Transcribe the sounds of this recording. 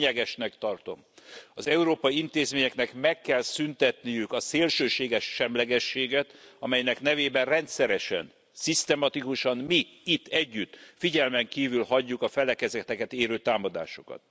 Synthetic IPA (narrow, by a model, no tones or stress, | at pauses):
ɛɡɛʃnɛkt̪ɒrt̪o̞̰mɒzɛuɾoːpɒjiint̪eːzmeːɲɛknɛkmɛkːɛlsynt̪ɛt̪nijykɒseːlʃøːʃeːɡɛʃːɛmlɛɡɛʃːeːɡɛt̪ɒmɛjnɛkn̪ɛveːbɛnrɛnt̪sɛɾɛʃɛ̰n | sist̪ɛmɒt̪ikuʃɒnmiit̪ːɛɟːyt̪ːfiɟɛlmɛŋkiːvylhɒɟːukɒfɛlɛkɛzɛt̪ɛkɛt̪eːɾøːt̪aːmɒd̪a̰ːʃo̥kɒ̰t̪̚